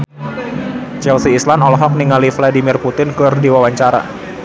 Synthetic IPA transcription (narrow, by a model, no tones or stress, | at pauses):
t͡ʃɛlsiːslanɔlɔɦɔk̚niŋalifladimirput̪ɪnkurdiwawaɲt͡ʃaɾa̰